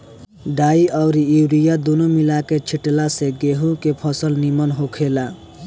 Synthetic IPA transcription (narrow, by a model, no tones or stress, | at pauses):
ɖaiʔʌwɾiiwɾijad̪unomilaket͡ʃʰiʈlaseɡeɦukepʰʌsəlnimʌnɦokʰela